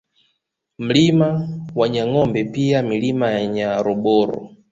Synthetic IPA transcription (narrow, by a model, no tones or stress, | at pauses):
m̩limawaɲaŋɔmbɛpiamilimajaɲaɾɔɓɔːɾɔ̰